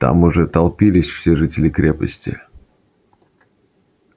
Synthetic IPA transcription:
t̪a̰mʊʐɛt̪ɐlˠpʲilʲɪsʲfsʲeʐɨtʲɪlʲɪkɾʲepə̰sʲtʲɪ̰

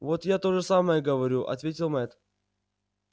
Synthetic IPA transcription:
vot̪jat̪o̞ʐɨsaməjəɡəvɐɾʲuʔɐ̰t̪vʲetʲɪlˠmɛt̪

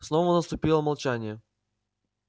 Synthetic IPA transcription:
sno̞vənəst̪ʊpʲilˠəmɐlˠt͡ɕænʲɪjə

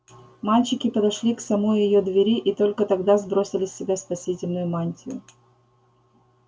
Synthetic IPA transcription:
malʲt͡ɕɪkʲɪpəd̪ɐʂlʲiksɐmo̞jjɪjod̪vʲɪɾʲiʔit̪o̞lʲkət̪ɐɡd̪azbɾo̞sʲɪlʲɪsʲːɪbʲaspɐsʲitʲɪlʲnʊjʊmanʲtʲɪjʊ

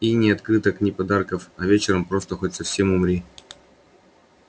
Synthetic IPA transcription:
inʲɪɐt̪kɾɨt̪əknʲɪpɐd̪arkəfɐvʲet͡ɕɪɾəmpɾo̞st̪əxo̞tʲsɐfsʲe̞mʊmɾʲi

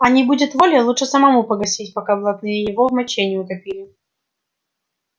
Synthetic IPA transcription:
ɐnʲɪbudʲɪt̪volʲjɐlˠut͡ʂʂɨsəmɐmupəɡɐsʲitʲpɐkablˠɐt̪nɨjəjɪvovmɐt͡ɕenʲɪjʊk̪ɐpʲilʲɪ

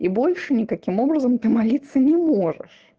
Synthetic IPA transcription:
ibo̞lʲʂɨnʲɪkɐkʲimo̞bɾəzəmt̪ɨmalʲit̪sːənʲɪmo̞ʐɨ̰ʂ

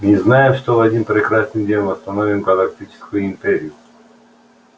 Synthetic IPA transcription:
mʲɪznajɪmʂt̪ovɐdʲnʲinpɾʲɪkɾasnɨmdʲenʲvɐst̪ɐnovʲɪmɡɐlˠɐk̚tʲit͡ɕɪ̥skʊjʊimʲpʲeɾʲɪjʊ

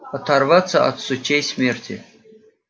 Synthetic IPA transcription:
at̪ʰarvat͡sʰɐʔa̰t̪sut͡ʃʰejsmʲertʲʰḭ

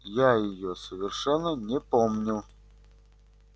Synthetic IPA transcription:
jajɪjosəvʲɪrʂɛnːənʲɪpomnʲɪlˠ

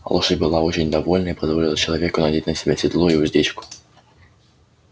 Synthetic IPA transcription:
ɐ̰lˠɔʃɪbɪlˠaɔt͡ʃɪnʲd̪ɐʋɔlʲnɐipɔzʋɔlʲɪlˠɐt͡ʃɔlˠɔʋʲɛkʊnɐd̪ʲit̪nɐsʲɛbɛsʲid̪lˠɔiwʒd̪ʲit͡ʃkʊ̥

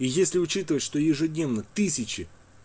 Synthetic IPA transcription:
ijesʲlʲɪʊt͡ɕit̪ɨvətʲʂt̪o̞jɪʐɨdʲnʲe̞vnət̪ɨsʲɪt͡ɕɪ

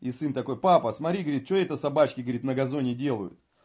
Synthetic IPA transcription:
isɨnt̪ɐko̞jpapəsmɐt̪ɾʲiɡəɐəɾʲit̪̚t͡ɕoɛt̪əsɐbat͡ɕkʲɪɡəɐɾʲit̪nəɡɐzo̞nʲɪdʲe̞lˠəjʊ̰t̪

